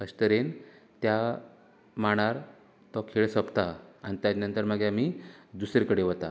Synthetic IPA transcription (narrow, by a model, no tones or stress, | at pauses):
əɕt̪əɾent̪ja | maɽ̃aɾ | t̪ɔkʰeɭsəpt̪aanit̪jad̪inənt̪əɾməɡeam̤id̪usɾekəɽeʋət̪a